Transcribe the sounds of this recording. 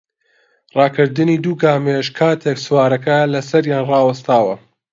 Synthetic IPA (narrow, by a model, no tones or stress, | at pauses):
rɑːkɨɾd̪ɨniːd̪uːɡaːmeʃkʰaːt̪ʰeːksɨwaːɾɐkɐlɐsɐɾjaːnrɑːwɐst̪aːwɐ